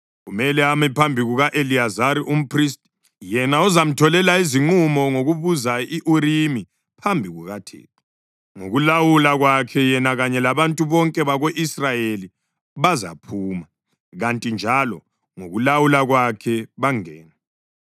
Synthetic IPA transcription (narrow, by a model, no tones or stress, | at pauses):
ɣumɛlɛamɛpʰambʱiɣuɣaʔeliazaɾiʔum̩pʰris̬tʼ | jɛnauzam̩tʰɔlɛlaiziŋ͡ǃumɔŋoɣuβuzaiʔuɾimi | pʰambʱiɣuɣatʰḛːtʰu̥ | ŋo̰ɣulawulaɣwakʰɛjɛnaɣaɲɛlaβantʼuβɔŋkʼɛβaɣoʔisrajeli | βaza̰pʰuːma | ɣantʼind͡ʒʱalɔ | ŋoɣulawulaɣwakʰɛβaŋɛːnɛ